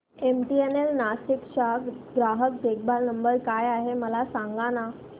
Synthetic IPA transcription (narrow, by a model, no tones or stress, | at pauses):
emʈienelnasikʂakɡɾaɦək̚d̪ʱek̚ʰbaɾnəmbəɾkajaɦeməlasaŋɡana